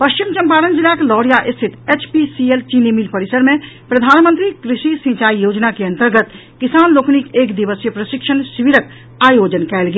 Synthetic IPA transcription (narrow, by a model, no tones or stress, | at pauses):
pəʃt͡ʃimt͡ʃɐ̃mpaːɾənd͡ʒɪlaklɔːɽjaʔɪst̪ʰɪt̪et͡ʃʰpisielt͡ʃinimilpəɾɪsəɾmẽ | pɾəd̪ʱaːnmə̃nt̪ɾikɾɪʃisĩt͡ʃaːijoːd͡ʒnakeɐ̃nt̪əɾɡət̪ | kɪsaːnloːknikeːkd̪iʋəsjəpɾəʃɪkʃənsiʋiɾək̚ | aːjoːd͡ʒənkɛːlɡe